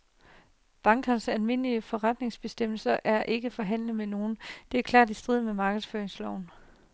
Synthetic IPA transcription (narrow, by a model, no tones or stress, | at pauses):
b̥ɑ̈ŋɡ̥ʰɐnsælme̝n̰liəfɒ̽ʁɑd̥ne̝ŋsb̥e̝sd̥em̰l̩sɐʔæɐʔe̝ɡ̥əfɒ̽ɦæn̰ləð̩meno̝ːn̩d̥e̝æɐkʰlɑ̰̈ːd̥isd̥ʁiðˠmemɑ̈ːɡ̥əðˠsføːɐeŋslɒʊ̰n